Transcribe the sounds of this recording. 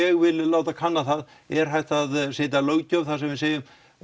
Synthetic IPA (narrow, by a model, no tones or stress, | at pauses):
ɛɣvɪlɪlaːwt̪akʰanːaθað | ɛɾ̥ɦajht̪aðsɪːt̪̬alœːwɣcawθaðsɛmvɪðseːjʏm